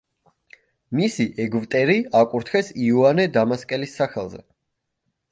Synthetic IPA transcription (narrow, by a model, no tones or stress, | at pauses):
misiʔɛɡvt̪ʼɛɾiakʼuɾt̪ʰχɛsiuanɛd̪amaskʼɛlisːaχɛlˠzɛ̰